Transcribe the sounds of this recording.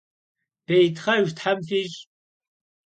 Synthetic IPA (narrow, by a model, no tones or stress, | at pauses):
b̥ejtχɐʒt̪ħamfiɕ